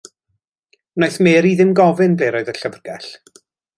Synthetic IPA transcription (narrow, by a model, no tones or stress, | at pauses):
nojθmeːɾiðɪmɡɔvɪnblejɾoɨðəɬəvrɡɛɬ